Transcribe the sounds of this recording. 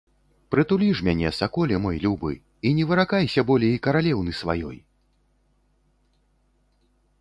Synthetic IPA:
pɾɨt̪ulʲiʂmʲanʲɛsakɔlʲɛmɔjlʲubɨ̰ | inʲɛvɨɾakajsʲɐbɔlʲɛikɐɾalʲɛwnɨsva̰jɔ̰j

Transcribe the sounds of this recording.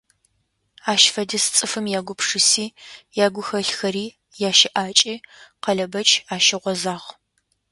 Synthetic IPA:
aːʃfɐdɐst͡sʼɨfɨmjaːɡʷʊpʰʂɨsiːjaːɡʷʊxɐɬxɐɾiː | jaːʃɪʔaːt͡ʃʼiːqɐɮɐbɐt͡ʃʼʰaːʃɪʁʷɔzaːʁ

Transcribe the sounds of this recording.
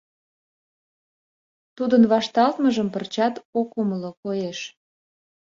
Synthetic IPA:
t̪ud̪ənβɑʃt̪ɑlt̪məʒəmpərt͡ɕɑt̪okuməlokojeʃ

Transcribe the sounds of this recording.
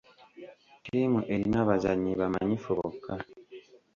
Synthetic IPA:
tʰimuʔeɾinaβazaɲːiβama̰ɲifoβo̰ka

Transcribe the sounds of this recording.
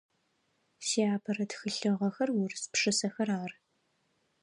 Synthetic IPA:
siaːpʰɐɾɐtxɨɬɨʁɐxɐrwʊrɨspʂɨsɐxɐɾaːr

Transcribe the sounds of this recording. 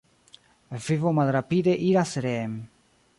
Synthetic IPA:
elfivomalɾapid̪eʔiɾaseɾeem

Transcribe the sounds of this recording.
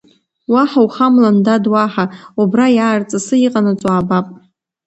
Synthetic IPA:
waħawχamlandadwaħaubrajaːrt͡sʼasɨiqʼanat͡sʷʼaːbapʼ

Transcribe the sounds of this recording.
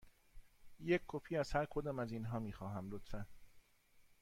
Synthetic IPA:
jecʰːopʰiːæz̥hæɾkʰod̪ɒːmæziːnɦɒːmiːxɒːɦæmlot̪fæn

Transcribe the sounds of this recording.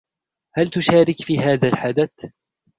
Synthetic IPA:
halt̪ʊʃaːɾɪkfiːɦaːðalħad̪aθ

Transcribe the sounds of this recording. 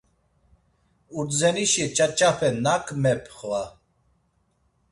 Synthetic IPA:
uɾzɛniʃiɛt͡ʃʼat͡ʃʼafɛnakʰʼmɛpʰχwa

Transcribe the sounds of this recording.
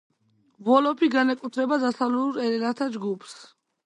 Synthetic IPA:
vɔlɔpʰiɡanɛkʼut̪ʰɾɛbad̪asavluuɾɛɾɛnaɾt̪ʰad͡ʒɡupʰs

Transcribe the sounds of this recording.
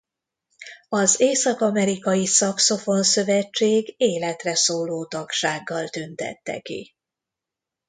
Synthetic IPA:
ɒzeːsɒkɒmɛɾikɒjisɒkso̞fo̞nsø̞vɛt͡ʃːeːɡeːlɛt̪rɛsoːloːt̪ɒkʃaːɡːɒlt̪ønt̪ɛ̰t̪ːɛ̰kḭ

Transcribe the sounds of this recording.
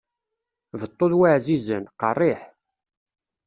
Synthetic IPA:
vət̪ˤːoðwaʕzizənqɑrˤːiħ

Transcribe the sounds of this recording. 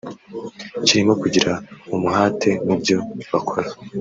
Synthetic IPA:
ciɾimo̞kuɟiɾaumuhaːtʰe̞nibjo̞βakʰo̞ɾḁ

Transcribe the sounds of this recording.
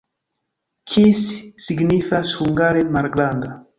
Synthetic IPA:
kʰisːiɡnifashuŋɡaɾemaɾɡland̪a

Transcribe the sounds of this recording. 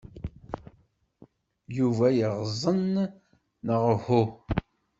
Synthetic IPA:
juvæjəʁzˤənː | əʁəhu

